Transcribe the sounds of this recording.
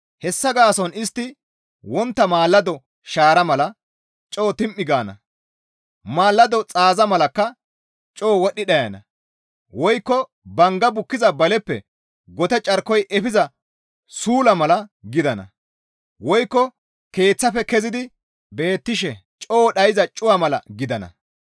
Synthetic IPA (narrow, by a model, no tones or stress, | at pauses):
hɛsːɐɡaːsɔnɪst̪ːɪ | wɔnt̪ːɐmaːlːɐd̪ɔ | ʃaːɾɐmɐlɐ | t͡ʃʼo̞ːt̪ɪmʔːɪɡaːnɐ̰ | maːlːɐd̪ɔt͡sʼaːzɐmɐlɐkːɐ | t͡ʃʼo̞ːwɔɗɪɗɐjɐnɐ̰ | wɔjkːɔ | bɐŋɡɐbʊkːɪzɐbɐlɛpːɛ̰ | ɡɔt̪ɛt͡ʃʼɐɾkːɔjʔɛfɪzɐ | suːlɐmɐlɐɡɪd̪ɐnɐ̰ | wɔjkːɔ | ke̞ːt͡sːɐfɛkɛzɪd̪ɪ | be̞ːt̪ːɪʃɛt͡ʃʼo̞ːɗɐjɪzɐt͡ʃʼʊwamɐlɐ̰ɡɪd̪ɐnɐ̰